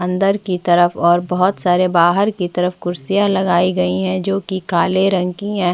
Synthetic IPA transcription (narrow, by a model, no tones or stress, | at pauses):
ɐ̃nd̪əɾkit̪ɐɾəfɔːɾbɐɦʊt̪saːɾebaːɦəɾkit̪ɐɾəfkʊɾsijalɐɡaːiɡɐiɦɛ̃d͡ʒoːkikaːleɾɐ̃ŋkiɦɛ̃ː